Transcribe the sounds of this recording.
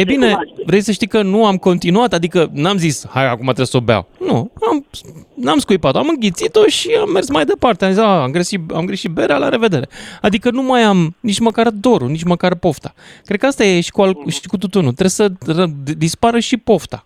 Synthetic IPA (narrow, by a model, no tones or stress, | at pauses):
ejbine̞vɾe̞jsəʃt̪ijkənuamko̞nt̪inuat̪ad̪ikənamzishaja̰kumat̪ɾebso̞ba̰wnuamnamskujpat̪o̞amɨŋɡʲit̪sit̪o̞ʃiamːe̞rsmajd̪e̞part̪eamzisaamɡɾeʃit̪a̰mɡɾeʃit̪̚be̞ɾealaɾe̞ve̞d̪e̞ɾe̞ad̪ikənumajamnit͡ʃməkard̪o̞ɾunit͡ʃməkarpo̞ft̪akɾekəast̪ajeʃi̥kualʃikut̪ut̪unut̪ɾe̞sərəd̪ispaɾəʃipo̞ft̪a